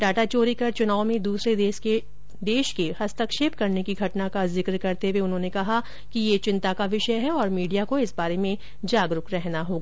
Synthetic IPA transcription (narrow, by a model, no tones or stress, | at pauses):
ɖaːʈat͡ʃoːɾikɐɾt͡ʃʊnaːomẽd̪uːsɾeeʃe | d̪eːʃkehɐst̪əkʃeːp̚kɐɾnekiɡʱɐʈnakazɪkɾkɐɾt̪eweʊnɦõnekɐɦa | kijet͡ʃɪ̃nt̪akaʋɪʃəɦɛɔːɾmiːɖijakoɪsbaːɾemẽ | d͡ʒaːɡɾʊkɾɛɦnaɦoːɡaː